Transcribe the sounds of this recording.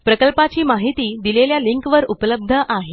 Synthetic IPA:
pɾəkəlpat͡ɕiːmaɦit̪iːd̪ileljaliŋkʋəɾupləb̚d̪ʱəʔaɦe

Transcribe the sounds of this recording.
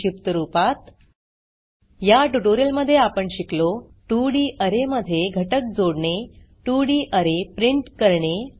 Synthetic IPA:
ipt̪əɾupat̪ | jaʈuʈoɾijəlməd̪ʱːjeapəɳɕiklo | ʈuɽiːʔəɾeməd̪ʱːjeɡʱəʈək̚d͡zoɽɳe | ʈuɽiːʔəɾepɾiɳʈkəɾɳe

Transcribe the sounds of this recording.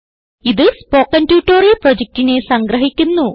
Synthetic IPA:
iðɨspo̞ːkːɐntjuːʈːoːriprod͡ʑek̚tine̞sɐŋɡrɐɦikʲːunːu

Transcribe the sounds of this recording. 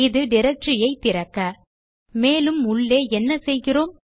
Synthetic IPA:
ɪðɯɖɪɾɐk̚ʈrɪjɐɪt̪ːɪɾɐkːɐ | meːlɯmʊɭːeːɛnːɐsɛjɣɪroːm

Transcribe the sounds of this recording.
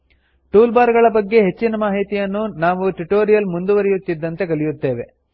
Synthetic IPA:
ʈuːlbaːɾɡɐɭɐbɐɡːe̞ɦe̞t͡ʃːinɐmaːɦit̪ijɐnːunaːʋuʈuʈo̞ːɾijɐlmund̪uʋɐɾijut̪ːid̪ːɐnt̪e̞kɐlijut̪ːe̞ːʋe̞

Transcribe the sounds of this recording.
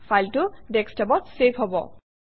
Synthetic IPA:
fʰajltʊdɛkstabatsepʰɦɔbɔ̰

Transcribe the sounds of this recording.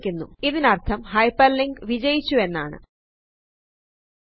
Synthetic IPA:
kʲːunːuiðinɐrt̪ʰɐmhɐjpːɐlːiŋɡʋid͡ʑɐjit͡ɕːue̞nːa̰ːɳɨ̰

